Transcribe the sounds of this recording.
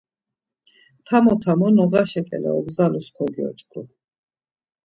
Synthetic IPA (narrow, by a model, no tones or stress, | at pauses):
t̪ʰamɔt̪ʰamɔnɔʁaʃɛkʼɛ̰lɛ̰ɔbzaluskʰɔɡiɔ̰t͡ʃʼkʰʼu